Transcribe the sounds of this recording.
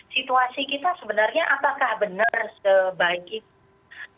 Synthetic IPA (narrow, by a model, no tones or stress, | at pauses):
sit̪uasikit̪asəbənarɲaʔapakahbənərsəbaɪkit̚